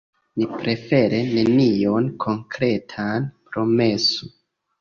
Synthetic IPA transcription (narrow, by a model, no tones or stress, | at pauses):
nipɾʔe̞fe̞ɾene̞nio̞nkʰo̞ŋkɾe̞tʰanpɾo̞me̞so